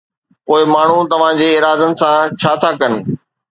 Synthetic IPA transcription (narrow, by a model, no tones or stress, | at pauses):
poːɪmaːɳ̤ut̪ɐʋ̤ãd͡ʑeːɪːɾaːd̪ənɪ̆sãt͡ɕʰaːt̪ʰaːkɐnɪ̆